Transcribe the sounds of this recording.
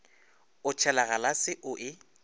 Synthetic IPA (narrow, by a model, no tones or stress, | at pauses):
ʊt͡ʃʰɛlaɣalasɪʔʊʔɪ